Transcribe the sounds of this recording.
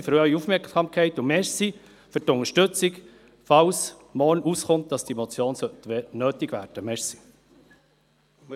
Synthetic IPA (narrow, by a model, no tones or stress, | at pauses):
fɾœɥiufmɛksɑmkʰɛɪtʊmɛsi | fʏtʊŋəʃtɵt͡sik | fɑws | mɔɾnʔusχʊnt̚d̥ɑsd̥imɔt͡sjoːnsœtnøːtɪɡʋæːɾd̥əmɛsi̥